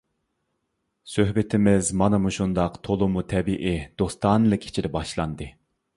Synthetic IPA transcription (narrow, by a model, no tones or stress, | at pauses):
søɦbɪt̪ʰɪmɪzmɑnɨmuʃund̪ɑqt̪ʰolˠumut̪ʰɛbiʔid̪̥ost̪ɑnɨlˠɨkʲʰi̥t͡ʃʰid̪ɛbɑʃlˠɑ̰nd̪ɨ